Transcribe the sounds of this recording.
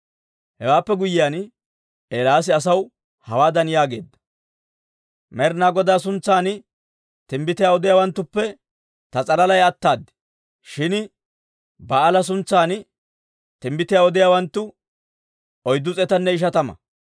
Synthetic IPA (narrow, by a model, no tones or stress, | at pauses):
hɛwaːpːɛɡʊjɪjaːn | eːlaːs̬ɪɐs̬ɐw | hɐwaːd̪ɐnɪjaːɡe̞ːd̪ːɐ̥ | mɛɾnaːɡɔd̪aːs̬ʊnt͡sːaːn | t̪ɪmbɪt̪ɪjaːɔd̪ɪjaːwɐnt̪ːʊpːɛ | t̪ɐt͡sʼɐlɐlɐjɐt̪ːaːd̪ːɪ̥ | ʃɪn | bɐːlɐs̬ʊnt͡sːaːn | t̪ɪmbɪt̪ɪjaːɔd̪ɪjaːwɐnt̪ːʊ | ɔjd̪ːʊt͡sʼɛt̪ɐnːɛɪʃ̬ɐt̪ɐmɐ̰